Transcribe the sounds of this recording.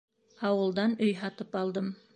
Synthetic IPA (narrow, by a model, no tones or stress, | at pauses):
ɑwɤ̆lˠd̪ɑnɵjɦɑt̪ɤpɑlˠd̪ɤm